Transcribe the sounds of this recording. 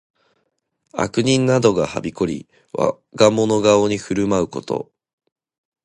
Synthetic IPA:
a̰kɯ̟ɲ̟ĩnːad̪o̞ɡaha̰bʲiko̞ɾʲḭ | βa̰ | ɡamo̞no̞ɡao̞ɲ̟iɸɯ̟ɾɯ̟maɯ̟ko̞t̪o̞̰

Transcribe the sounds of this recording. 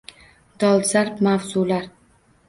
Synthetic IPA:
d̪̥ɒlˠzaɾpmawzulaɾ

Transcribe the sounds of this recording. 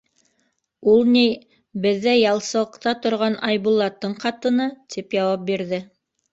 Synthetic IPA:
ulˠnij | bɘ̆ðːæjɑlˠsɤ̆ɤqt̪ɑt̪ŏɾʁɑnʔɑjβulˠːɑt̪ːɤɴqɑt̪ɤ̆nɤt̪ʰipjɑwɑp̚biɾðɘ

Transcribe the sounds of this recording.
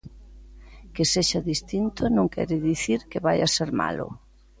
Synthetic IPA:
keseʃaðist̪int̪ʊnõŋkʰɛ̰ɾɪðiθiɾkɪβajaseɾma̰lʊ̰

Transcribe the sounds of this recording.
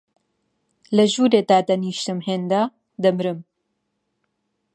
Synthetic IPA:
lɐʒuːɾet̪aːd̪ɐniːʃt̪ɨmheːnd̪a | d̪ɐmɾɨm

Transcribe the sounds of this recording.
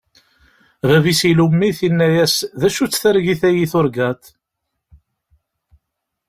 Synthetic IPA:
vævisilumːiθinːæjæsðæʃut͡sːθæɾʝiθæjiθʊɾɡæt̪

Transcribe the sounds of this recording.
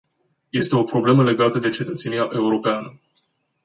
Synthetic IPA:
je̞st̪e̞o̞pɾo̞ble̞məle̞ɡat̪əd̪e̞t͡ʃe̞t̪ət̪se̞nijaʔe̞uɾo̞peanə

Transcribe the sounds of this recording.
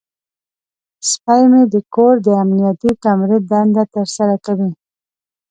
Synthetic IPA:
spajmed̪əkoɾd̪əamnijat̪it̪amɾid̪̚and̪at̪əɾsaɾakawi

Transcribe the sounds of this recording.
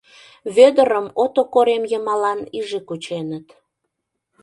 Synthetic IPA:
βød̪əɾəmot̪okoɾemjəmɑlɑniʒikut͡ɕenət̪

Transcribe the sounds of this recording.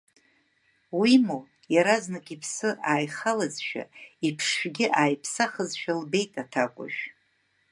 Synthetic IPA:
wimu | jaɾaznɨkʼipʰsɨʔaːjχalazʃᶣa̰ipʰʂᶣɡʲɪʔaːjpʰsaχəzʃᶣalbe̞jtʼatʰakʷʼʊ̰ʒᶣ

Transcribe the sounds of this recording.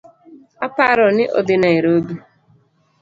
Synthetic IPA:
apaɾɔnɪʔɔ̰dɪnaeɾodu

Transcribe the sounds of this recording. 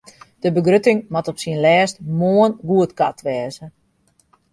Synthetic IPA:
d̥əbəɡrøtɪŋmatɔpsiənlɛːstmoənɡuətkatʋɛːzə

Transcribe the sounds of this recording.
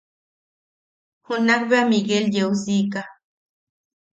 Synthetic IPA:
hunakbeamiɡeljeusiːka

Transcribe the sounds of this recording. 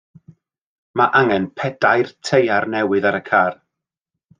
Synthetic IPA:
maʔaŋɛnpʰɛdajrtʰejarnɛwɨðaɾəkʰaːr

